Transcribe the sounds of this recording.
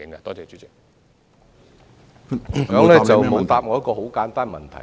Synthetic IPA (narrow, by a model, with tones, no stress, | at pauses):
ɪ˨˦ŋa˧t̪ɔː˥t͡sɛː˨˧t͡ʃyː˨˥t͡sɪ˨˥k̚ | kɐ˨˥mlɛ˥t͡sɐ˨wmo˨˥wt̪aː˨p̚ŋɔː˨˧˥kːɔː˧ɦo˨˥wkaː˨˦˥nt̪aː˥nmɐ̰˨˩nt̪ʰɐ̰˨˩